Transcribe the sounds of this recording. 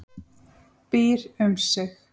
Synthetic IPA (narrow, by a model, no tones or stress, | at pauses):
piːɾʏmsɪx